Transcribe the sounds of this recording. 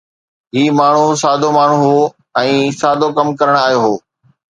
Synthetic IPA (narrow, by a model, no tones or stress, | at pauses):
ɦiːmaːɳ̤usaːd̪ʱomaːɳ̤uɦoː | ɛ̃ːsaːd̪ʱokɐmkɐɾəɽ̃aːjoɦoː